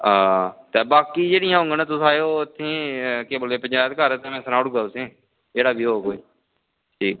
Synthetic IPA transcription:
ãːt̪eːbaːkiːd͡ʒeːɽɪjãːɦõʊ̃ŋɡənãːt̪ʊsaːeoːɪt̪ʰːẽːkeːbəleːpəɲd͡ʒaːjt̪kəɾːt̪eːmɛ̃ːsənaːʊɽɡaːsẽː | d͡ʒeːɽaːbiːoːkoːiː | ʈiː

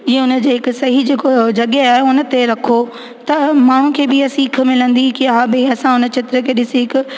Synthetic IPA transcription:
ɪɦeʊnə̆d͡ʑeːɦɪkʊsɐɦid͡ʑeːkod͡ʑɐɠeaːɦeʊnə̆t̪eɾɐkʰo | t̪ɐmaːɳ̤ũkʰeːbɪɐsĩk̆ʰmɪlə̃nd̪ikiaabɪɐsãʊnə̆t͡ɕʰɪt̪ɪɾəkʰeːɗɪsiɦɪkʊ̆

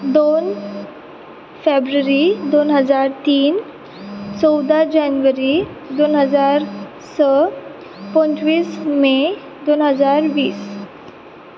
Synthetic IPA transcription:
d̪on | febɾəɾid̪onɦəd͡zaɾt̪iːn | t͡sɔwd̪ad͡ʑanʋəɾi | d̪onɦəd͡zaɾ | sə | pɔnt͡ɕʋiːsme | d̪onɦəd͡zaɾʋiːs

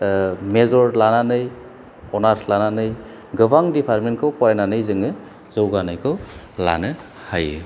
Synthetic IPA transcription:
mezɔɾlananɯj | ɔnatʰlananɯj | ɡɯbaŋdipʰaɾmenkʰɯwpajnanɯjzɯŋɯ | z̥ɯwɡanɯjkʰɯw | la̰nɯ | haj

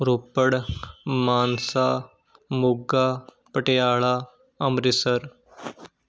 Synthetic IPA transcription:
ɾoːpːəɽmaːnsa | muɡaː | pəʈjaːɭa | ɐmɾisəɾ

